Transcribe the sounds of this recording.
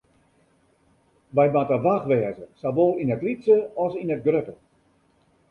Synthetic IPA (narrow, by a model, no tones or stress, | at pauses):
ʋɛjmatəʋaxʋɛːəzəsaʋoːlˠinətlitsəɔsinət̚ɡrøtə